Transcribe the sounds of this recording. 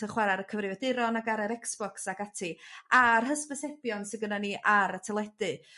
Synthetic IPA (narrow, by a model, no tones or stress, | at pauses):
əχwaɾaɾəkʰəvrɪvɛdɪɾɔnaɡaɾɛɾɛksb̥ɔksaɡatʰiarɦəspəsɛbjɔnsɪnɡənaniʔaɾətʰɛlˠɛdɨ